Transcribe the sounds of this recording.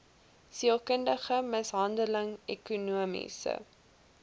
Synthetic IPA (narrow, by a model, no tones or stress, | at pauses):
siəlˠkəndəχəməsɦɐndələŋɛkunuəmḭsə̰